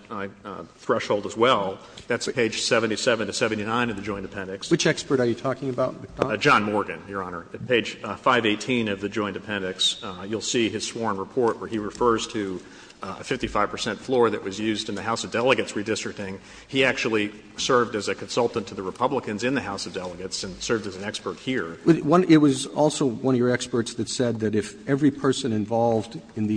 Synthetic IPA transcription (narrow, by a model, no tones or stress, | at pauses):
θɹɛʃhoʊlˠdəzwɛlˠ | ðætspʰeɪd̥ʒ̥sɛvɨ̃ntisɛvɨ̃ntʰɨsɛvɨ̃n̩tinãɪ̃nʌvðɨd͡ʒɔ̃ɪ̃nɨ̥pʰɛ̃nɨkswɨt͡ʃɛkspə˞ɾə˞jɨtʰɔkɪ̃ŋɨbaʊtd͡ʒɑ̃nmɔɹɡɨ̃njə˞ɑnə˞pʰeɪd̥ʒ̥faɪveɪtʰĩnʌvðɨd͡ʒɔ̃ɪ̃ntɨ̥pʰɛ̃ndɨksjulˠsiɨz̥swɔɹ̃nɹəpʰɔɹʔ̚wə˞iɹɨfɜ˞z̥tʰɨ | ə̰fɪftifaɪv̥pʰə̥˞sɛ̃ntflɔɹðɨʔ̚wʌzjʉzdɨ̃nðɨɦaʊsʌvdɛlˠəɡɨtsɹidɪstɹ̥ɨk̚tɪ̃ŋ | iæk̚t͡ʃul̩ˠi | sɜ˞vdɨzɨkʰɨ̃n̩sʌlˠtn̩tʰɨðɨɹɨpʰʌbləkɨ̃nzɨ̃nðɨhaʊsʌvdɛlˠəɡɨtsɨ̃nsɜ˞vdɨz̃n̩ɛkspə˞t̚hiɹwʌ̃nɪt̚wʌzɔlˠsoʊwʌ̃nʌvjə˞ɛkspə˞tsðɨtsɛd̪̚ðɨɾɨfɛvɹipʰɜ˞sɨ̃nɨ̃ɱvɑlˠvdɨ̃nði